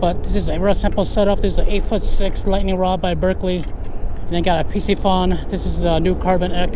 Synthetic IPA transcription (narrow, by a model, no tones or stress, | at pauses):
b̥ʌt̪̚ðɪsɨzɨɹʌsɪ̃mpl̩ˠsɛɾʌp̚ðɪszəʔeɪtfʊtsɪkslaɪtⁿnɪ̃ŋɹɑbaɪbɜ˞kli | ɨ̃n̩ðɨ̃nɡɑɾɨpʰisifʌ̃nðɪsɨzðənʉkʰɑɹbɨ̃nɛk